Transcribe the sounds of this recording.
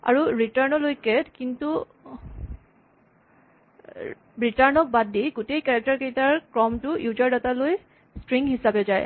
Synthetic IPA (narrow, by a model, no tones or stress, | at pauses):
a̰ɹuɹitaɹnɔlojkɛtkintu | bɹitaɹnɔk̚badiɡutejkɛɹɛk̚taɹkejtaɹkɹɔmtʊjud͡ʒaɹdataloj | stɹiŋhisabɛzaj